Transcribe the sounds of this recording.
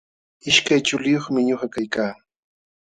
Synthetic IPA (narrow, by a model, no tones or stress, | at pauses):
ɪʃkajt͡ʃʊlɪjoχmɪɲoχɑkajkaː